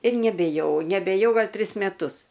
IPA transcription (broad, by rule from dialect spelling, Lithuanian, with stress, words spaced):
ɪr nʲɛbʲeːˈjɛʊ nʲɛbʲeːˈjɛʊ ˈɡɐlʲ ˈtʲrʲɪs mʲɛˈtʊs